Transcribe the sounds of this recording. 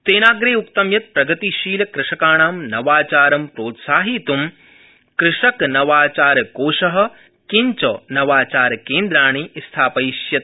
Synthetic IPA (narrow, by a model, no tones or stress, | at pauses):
t̪eːnaːɡɾeːukt̪ɐmjɐt̪̚pɾɐɡɐt̪iʃiːlɐkɾɪʂɐkaːɳaːmnɐʋaːt͡ʃaːɾɐmpɾoːt̪saːɦit̪um | kɾɪʂɐknɐʋaːt͡ʃaːɾkoːʃɐɦɐ̆ | kiɲt͡ʃɐnɐʋaːt͡ʃaːɾkeːnd̪ɾaːɳiːst̪ʰaːpɐjʃjɐt̪̚